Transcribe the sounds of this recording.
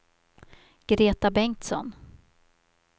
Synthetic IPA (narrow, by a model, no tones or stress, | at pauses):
ɡ̥ɾeːt̪abɛŋt̪sɔ̰n